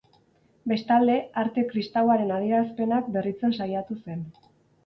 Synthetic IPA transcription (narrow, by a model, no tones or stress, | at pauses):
be̞st̪ald̪e̞aɾt̪e̞kɾist̪awaɾe̞nað̞ie̞ɾaspe̞nak̚be̞rit͡se̞nsajat̪use̞n